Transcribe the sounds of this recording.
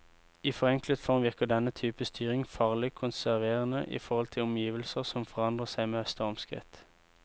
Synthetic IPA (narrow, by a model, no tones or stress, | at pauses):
iːfɔʁɛŋklət̪fɔʁmʋɪʁkəʁd̪ɛnət̪ʰyːpəst̪ʰyːʁɪŋfɑːʁlɪkʰʊnsæʁʋeːʁənəʔḭːfɔʁhɔlt̪ʰɪlɔmjiːʋəlsəʁsɔmfɔʁɑnd̪ʁəsæɪmeːhœst̪əɔmskʁɪ̰t̪